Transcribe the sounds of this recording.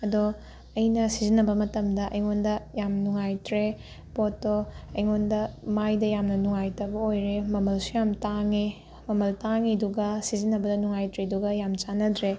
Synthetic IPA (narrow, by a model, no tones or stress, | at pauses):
ɐdo | ɐjnɐsizinːɐbɐmɐtɐmdɐʔɐjŋondɐjamnuŋajtɾe | potːoɐjŋondɐmajdɐjamnɐnuŋajtɐbɐojɾemɐmɐlsujamtaŋe | mɐmɐltaŋiduɡɐsizinːɐbɐdɐnuŋajtɾeduɡɐjamt͡ʃanɐdɾe